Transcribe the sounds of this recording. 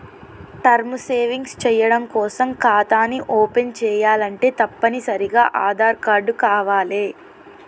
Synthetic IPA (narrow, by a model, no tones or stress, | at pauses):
ʈɐɾmuseːʋiŋɡst͡ʃɛːjɐɽɐmkɔːsɐmkaːt̪aːnːiʔoːpent͡ʃɛːjaːlɐɳʈe̞ːt̪ɐpːɐnisɐɾiɡaːʔaːd̪aːɾkaːɾɖukaːʋaːleː